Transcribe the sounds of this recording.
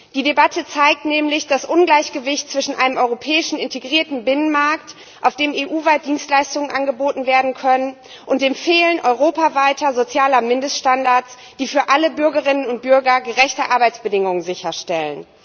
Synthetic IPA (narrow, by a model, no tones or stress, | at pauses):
d̥iːdebatʰət͡saɪk̚tnɛːmlɪçd̥asʔʊnɡlaɪçɡ̥əvɪçtt͡sv̥ɪʃn̩ʔaɪnəmʔɔʏʁopʰɛːɪʃn̩ɪnteɡʁiːɐtn̩bɪnənmaɐkt | ʔaʊfd̥eːmeːʔuːvaɪt̚d̥iːnstlaɪstʊŋənʔanɡəboːtn̩veːɐdn̩kʰœnən | ʔʊnt̚d̥eːmfeːlənʔɔʏʁ̞oːpavaɪtɐzot͡sjaːlɐmɪndəstʃtandaɐt͡s | d̥iːfyːɐʔaləbʏɐɡəʁɪnənʊnt̚b̥ʏɐɡɐɡəʁɛçtəʔaɐbaɪt͡sb̥ədɪŋʊŋənzɪçɐʃtɛlən